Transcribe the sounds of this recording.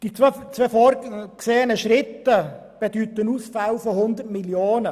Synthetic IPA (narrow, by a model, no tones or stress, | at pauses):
d̥it͡sːt͡sʋeːfoːɾkseːənəʃɾɪtːə | b̥edyːtənuːsfalfɔhʊnd̪ətmiljoːnə